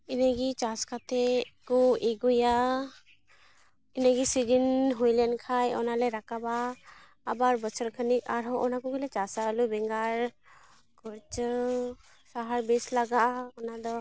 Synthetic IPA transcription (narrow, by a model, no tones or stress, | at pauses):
inaɡit͡ʃaskʰat̪ʰɛkɔeɡuja | inaɡisidinɦujlɛnkʰajɔ̰nalɛɾakabaː | baɾbɔt͡ʃʰɔɾkʰənika̰ɾɦɔɔnakuɡilɛt͡ʃasalubɛŋɡaɾ | kɔɾt͡ʃɯ | saɦaɾbeslaɡaʔɔnad̪ɔ